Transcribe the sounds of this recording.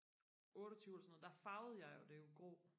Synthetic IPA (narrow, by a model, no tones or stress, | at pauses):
ɔ̽ːɾɒt͡sʰyːʊɛlsɔnð̩ˠd̥ɑ̈fɑ̈ʊð̩ˠjɑ̈ɪjo̝d̥e̝jo̝ɡ̥o̝̰ː